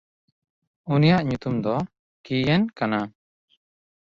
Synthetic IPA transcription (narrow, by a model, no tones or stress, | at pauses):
unijaʔɲut̪umd̪ɔ | kijɛnkana